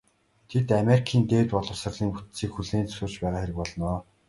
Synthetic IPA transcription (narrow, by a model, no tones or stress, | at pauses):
t̪ʰet̪ameɾikʰiːnt̪eːwt̪pɔɮɞ̆wsə̆rɮiːŋput̪siːkxuɮeːnt͡sɵ̥sʊːrt͡ɕpæːʁaːxeɾɘ̆k̚pɔɮ̆nɔː